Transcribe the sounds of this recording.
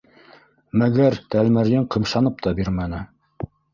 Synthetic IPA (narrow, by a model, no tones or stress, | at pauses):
mæɡæɾt̪ælmæɾjɘɴqɤ̆mʃɑnɤp̚t̪ɑbiɾmæn̪ɘ